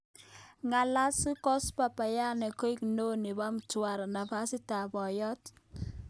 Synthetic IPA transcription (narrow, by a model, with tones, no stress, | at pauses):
ŋa˨la˦si˦kɔ˦spa˨pa˨ja˦nɛ˨ko˦i˦kno˦nɪ˨ba˦mtwa˨ɾna˨pa˦sɪ˦ta˨bɔ˨jɔ˦t